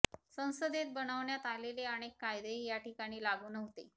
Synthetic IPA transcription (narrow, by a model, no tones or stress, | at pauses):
sə̃w̃səd̪et̪̚bəɽ̃əʋɳjat̪aleleaɽ̃ekːajd̪eɦijaʈikaɽ̃iːlaɡuːnəɦt̪e